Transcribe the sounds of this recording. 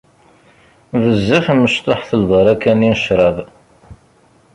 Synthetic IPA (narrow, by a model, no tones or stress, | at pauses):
vəzːəfməʃt̪ˤoħθəlbɑɾˤɑkæninəʃɾˤɑv